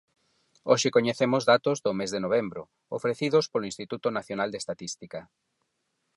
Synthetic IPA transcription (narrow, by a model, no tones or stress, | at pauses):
oʃɪkoɲeθemʊzðat̪ozðʊmezðenoβ̞embɾʊ̰ | o̰fɾeθiðʊspoloĩnst̪it̪ut̪ʊnaθjonald̪est̪at̪ist̪ikɐ